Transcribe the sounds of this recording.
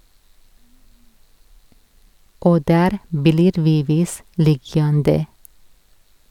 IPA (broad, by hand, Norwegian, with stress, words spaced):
ˈʔoː ˈdæːɾ ˈbliːɾ ˈʋiː ˈʋiːs ˈlɪjɑndə